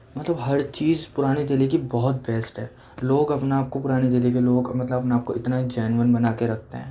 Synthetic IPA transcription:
mɐt̪ləbɦɐɾt͡ʃiːzpʊɾaːnid̪eːlikibɔɦʊt̪̚bɛːsʈɦɛː | loːɡɐpnaaːp̚kopʊɾaːnid̪eːlik̬eloːɡmɐt̪ləbɐpnaaːp̚koɪt̪naid͡ʒɛːnʋənbɐnaːkeɾɐk̚ʰt̪ḛɦɛ̃ː

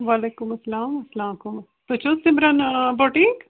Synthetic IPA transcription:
ʋaːleːkʊmɐsɐlaːmɐslaːkʊm | t̪ot͡ʃosimɾɐnboːʈik

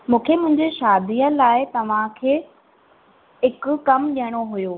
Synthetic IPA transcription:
mũːkʰemʊ̃ɦɪ̃ɲd͡ʑeʃaːd̪iːəlaːɪt̪ɐʋ̤ãkʰeː | ɦɪkʊkɐmɗiəɽ̃oɦʊjoː

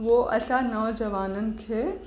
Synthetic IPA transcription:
ʋoʔɐsanɔːd͡ʒɐʋaːnənkʰe

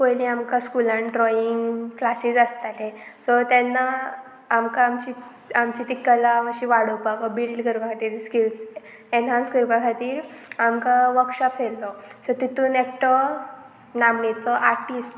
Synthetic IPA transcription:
kojlĩamkaskulãnɖɾɔiŋɡklasid͡zast̪alesɔt̪janːaː | mkaːmt͡ɕi | amt͡ɕit̪ikəlamaɕiʋaɽəwpakɔbililkəɾpakʰat̪iːɾskils | enɦãnskəɾpakʰat̪iːɾamkaʋəkɕapfellɔsɔt̪it̪uːnek̚ʈɔ | namɳet͡sɔʔaɾʈisʈ

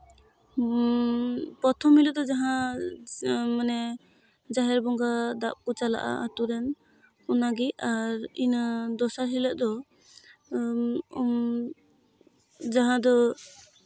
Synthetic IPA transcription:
pɔt̪ʰɔmiləd̪ɔd͡ʒaɦã | manɛ | d͡ʒaɦɛɾbɔŋɡad̪aʔ̚kut͡ʃala̰ʔa̰ʔat̪uɾɛn | kunaɡiaɾind̪ɔsaɾɦiləʔ̚d̪ɔ | d͡ʒaɦãd̪ɔ

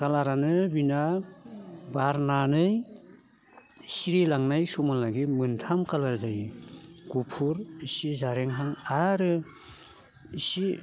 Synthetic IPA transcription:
kalaɾanɯbina | baɾnanɯj | siɾilaŋnajsumalaɡimɯntʰamkalaɾdajɡupʰuɾisizaɾeŋɦaŋaɾɯ | isi

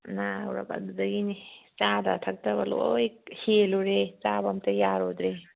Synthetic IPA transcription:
nawɾa̰ba̰dudɐɡinit͡ʃadɐ̰tʰɐk̚tɐbɐlo̰jkheluɾet͡ʃabamtɐjaɾod̪ɾe

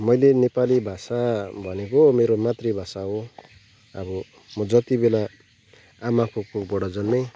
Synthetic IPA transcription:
mʌjlenepalibʱasabʱʌnekomeɾomat̪rebʱasaɦo | ʌ̰bʌ | mʌd͡zʌt̪ibela | amakokobʌɽʌd͡zʌnme

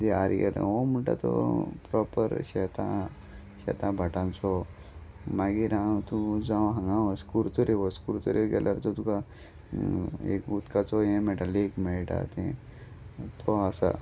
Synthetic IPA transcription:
d̪eaɾɡɛlʔa̰omuɳʈa̰t̪ɔ̰pɾɔpə̰ɾɕɛt̪ʰã | ɕɛ̰t̪ʰãbʱəʈãnt͡sɔ | maɡiɾãt̪ud͡zãʋ̃ɦə̃ŋɡãəskuɾt̪oɾeʋɔskuɾt̪ɔɾeɡɛlʔaɾt̪ɔt̪uka | ḛkut̪kat͡sɔẽmɛʈalekmɛʈa̰t̪ẽ | t̪ʰɔasa̰

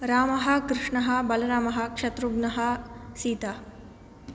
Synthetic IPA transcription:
ɾaːmɐɦɐkɾɪʂɳɐɦɐbɐlɐɾaːmɐɦɐ̆kʂɐt̪ɾuɡnɐɦɐsiːt̪a

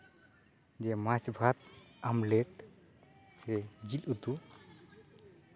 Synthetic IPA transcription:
d͡ʒɛmasbʱat̪̚amleʈ | sɛd͡ʒilut̪u

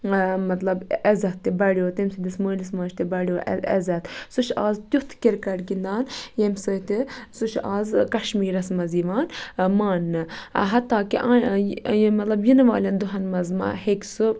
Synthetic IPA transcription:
mɐt̪lɐbɐzɐt̪ːibɐɽjoːt̪emsud̪ismoːlismɐːʃʰt̪ibɐɽjoːɐzɐt̪suʃaːzt̪juht̪ʰkiɾkɐʈɡind̪aːnjemsɨt̪isuʃaːzkɐʃmiːɾɐsmɐziːʋaːnmaːnːɨɦɐt̪ːaːkiʔː | mɐt̪lɐbjinʋaːlʲɐnd̪uɦɐnmɐzma̰heksɨ

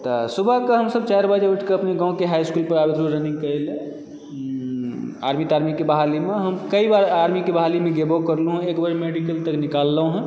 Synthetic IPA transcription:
t̪ɔsubʱəkeɦəmsəb̚t͡ʃaɾbad͡ʒeuʈʰkeəpneɡãũkeɦajskulpəɾabid̪ɾuɾəniŋɡkəjle | a̰ɾmit̪aɾmikːebəɦalimeɦəmkəibaɾaɾmikebɦalimeɡebokəɾluɦũekbəɾmeɖikəlt̪əknikalːəɦũɦũ

